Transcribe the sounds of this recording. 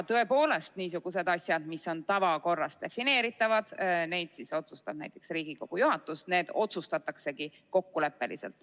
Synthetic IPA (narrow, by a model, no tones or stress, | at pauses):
t̪ɤ̞epo̞ːle̞st̪niːsuɡ̥use̞d̪ɑsʲjɑd̪misːo̞nt̪ɑvɑko̞rːɑst̪d̪̥e̞fine̞ːɾit̪ːˑɑvɑd̪̥ne̞jd̪̥siso̞t̪sust̪ɑb̥næjt̪ːˑeksriːɡ̥iko̞ɡ̥ujuɦɑt̪ːˑusne̞ːd̪̥o̞t̪sust̪ɑt̪ːˑɑkse̞ki | ko̞kːule̞pːe̞lḭse̞̰lt̪ˑ